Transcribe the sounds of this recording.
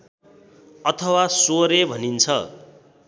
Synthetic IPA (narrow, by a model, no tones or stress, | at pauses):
ʌt̪ʰʌwasoɾebʱʌnint͡sʰʌ